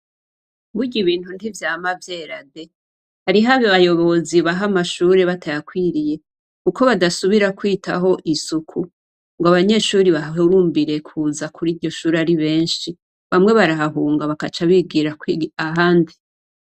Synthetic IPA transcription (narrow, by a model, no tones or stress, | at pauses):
buɟiβiːn̥hundivjaːmavje̞ːɾade̞ | haɾiɦaβaβajo̞βo̞ziβaɦamaʃuːɾe̞βatʰajakwiːɾije̞ | kuko̞βadasuβiɾakwiːtʰaɦo̞ʔisukʰu | ŋɡoaβaɲe̞ʃuːɾiβauɾuːmbiɾe̞kʰuːzakʰuɾiːɾɟo̞ʃuːɾaɾiβe̞ːɲʃi | βamŋe̞βaɾaɦaɦuːŋɡaβakat͡ʃaβiɡiɾakiaɦaːndi